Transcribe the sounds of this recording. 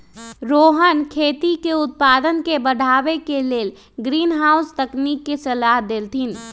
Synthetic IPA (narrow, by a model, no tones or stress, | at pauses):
ɾoːɦənkʰeːt̪ikeʊt̪̚paːd̪ənkebəɽʱaːʋekeleːl | ɡɾiːnɦaːʊst̪əknikːesəlaːɦd̪elt̪ʰin